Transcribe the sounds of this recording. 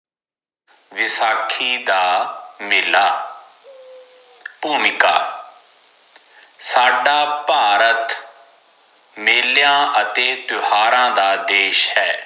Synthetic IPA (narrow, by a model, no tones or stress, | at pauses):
ʋɪsaːkʰiːd̪aːmɪlaː | puːmɪka̰ː | saːɖaːpaːɾət̪ | meːljãːʔət̪eːt̪ʊhaːɾãːd̪aːd̪eːʃhɛː